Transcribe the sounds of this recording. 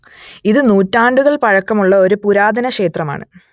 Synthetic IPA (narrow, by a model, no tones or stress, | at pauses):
iðɨnuːtːaːɳɖuɣɐɭpɐɻɐkːɐmuɭːɐo̞ɾupuɾaːd̪ɐnɐkʂe̞ːt̪rɐma̰ːɳɨ̰